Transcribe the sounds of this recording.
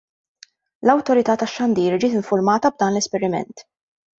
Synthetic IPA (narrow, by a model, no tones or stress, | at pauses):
lɐwt̪ɔɾɪt̪ɐːt̪ɐʃːɐnd̪iːɾd͡ʒɪːt̪ɪɱfʊɾmɐːt̪ɐb̚d̪ɐːnlɛspɛɾɪmɛ̰nt̪